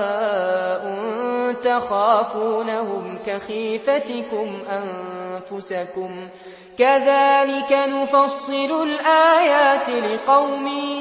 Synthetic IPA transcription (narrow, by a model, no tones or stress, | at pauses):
ʔʊnt̪axaːfuːnahʊmkaxiːfat̪ɪkʊmʔanfʊsakʊm | kaðaːlɪkanʊfɑsˤːɨlʊlʔaːjaːt̪lɪqɑwmiː